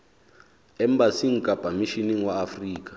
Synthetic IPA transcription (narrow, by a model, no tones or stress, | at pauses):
ɛmbasiŋ̩kʼab̥ʱamiʃiniŋwaːfriːk̬ʼḁ